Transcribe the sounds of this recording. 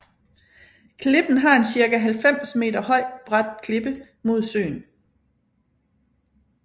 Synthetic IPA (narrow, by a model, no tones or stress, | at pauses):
kʰle̝b̥n̩ɦɑ̈e̝nsiɐɡ̥æɦælfem̰sme̝̰ːdɐhɒ̽ɪ̰b̥ʁad̥̚kʰle̝b̥ə | mo̝ð̞̰ˠsø̰ːn